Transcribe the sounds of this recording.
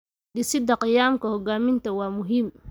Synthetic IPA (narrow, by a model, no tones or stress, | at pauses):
ɖɪsɪd̪ɐqɪjaːmkʰɐhɔɡaːmɪnt̪ʰɐwɑːmʊɦiːm